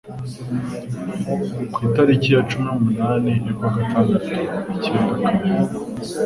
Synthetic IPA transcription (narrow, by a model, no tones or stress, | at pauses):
kwiːtaɾicijat͡ʃuminumunaːne̞jokwaːɡatʰaːndatuiceːndakamiɾi